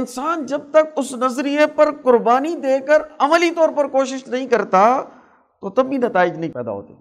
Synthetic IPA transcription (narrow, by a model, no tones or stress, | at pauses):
ɪnsaːnd͡ʒɐb̚t̪ɐkʊsnɐzɾijəpɐɾkʊɾbaːnid̪eːkəɾɐməlit̪ɔːɾpɐɾkoːʃɪʃnɐɦĩkɐɾt̪a | t̪oːt̪ɐbbinɐt̪aːɪd͡ʒnɐɦĩpɛːd̪a̰ɦo̰ːt̪ḛː